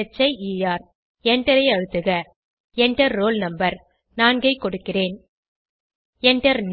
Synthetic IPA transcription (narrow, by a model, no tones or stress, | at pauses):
t͡ʃːɐɪiːjaːɾ | ɛɳʈɐɾɐɪɐɻɯt̪ːɯɣɐ | ɛɳʈɐɾːoːlnɐmbɐɾ | naːnɡɐɪkːɔɽɯkːɪreːn | ɛɳʈɐɾn